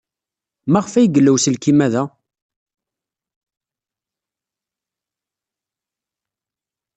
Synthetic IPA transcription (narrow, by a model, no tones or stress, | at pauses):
mæʁəfæjɡəlːæwsəlkimæðæ